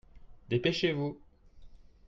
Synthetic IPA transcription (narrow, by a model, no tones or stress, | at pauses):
d̪epeʃevu